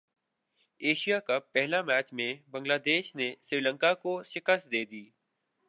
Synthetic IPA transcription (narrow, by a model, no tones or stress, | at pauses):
eːʃijakɐpːɛɦlamɛːt͡ʃmẽbə̃ŋɡlaːd̪eːʃnesɾiːlə̃ŋkakoʃɪkəst̪d̪eːd̪iː